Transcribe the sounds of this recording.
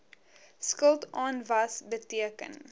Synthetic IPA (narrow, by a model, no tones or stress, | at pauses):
skəlˠtɑːnvɐsbətiəkə̰n